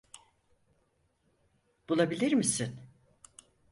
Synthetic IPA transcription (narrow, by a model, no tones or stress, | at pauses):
b̥ulˠabilʲiɾmisin